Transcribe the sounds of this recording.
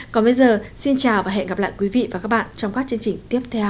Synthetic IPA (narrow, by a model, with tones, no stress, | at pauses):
kɔ˨˩nɓə˧jzəː˨˩si˧nt͡ɕaː˨˩wvaː˨˩ɦɛ̰˧˨nɣa˨˩p̚la̰ː˧˨jkwi˨˦vḭ˧˨vaː˨˩kaː˦˥k̚ɓa̰ː˧˨nt͡ɕɔ˧wŋ͡mkaː˦˥k̚t͡ɕɨ˧əŋt͡ɕï˨˩ŋ̟t̪i˦˥əp̚t̪ʰɛ˧w